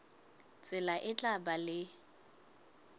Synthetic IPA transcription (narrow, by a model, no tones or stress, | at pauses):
t͡sʼɪlaʔɪt͡ɬʼabalɪ